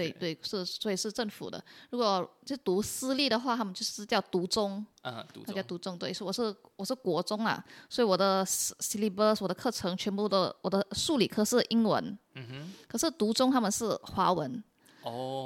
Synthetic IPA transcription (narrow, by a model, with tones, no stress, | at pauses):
t̪we˥˩ɪt̪we˥˩ɪʂɻ̩˥˩swɔ˧˥i˨˩ʂɻ̩˥˧ʈ͡ʂə˥˩ŋfṵ˨˩d̪ə̰˦ɻu˧˥kwɔ˨˩t͡ɕt̪u˧˥sɹ̩˥li˥˩ɾə˩xwa˥˩t̪ʰa˥mə˨nt͡ɕjo˥˧ʊʂ̩˥˧˥t͡ɕjɑ˥˩ʊt̪u˧˥t͡sʊ˥ŋ˧˥˧ | jt̪u˧˥t͡sʊ˥ŋt̪we˥˩ɪʂ̩˥˩wɔ˨˩ʂɻ̩˥˩wɔ˨˩ʂɻ̩˥˩kwɔ˧˥t͡sʊ˥ŋlɐ̰˨swɔ˧˥i˨˩wɔ˨˩d̪ə˦˥˩si˧˥li˧˥pə˥wɔ˨˩d̪ə˦kʰɤ˥˩ʈ͡ʂʰɤ˧˥ŋt͡ɕʰɥɛ˧˥npu˥˩d̪ə̰˨wɔ˨˩d̪ə˦ʂu˥˩lḭ˨˩kʰɤ˥ʂɻ̩˥˩ʔi˥ŋwə̰˧˥n˨ | kʰɤ˨˩ʂɻ̩˥˩t̪u˧˥t͡sʊ˥ŋt̪ʰa˥mə˨nʂɻ̩˥˩xwa˧˥wə˧˦˥n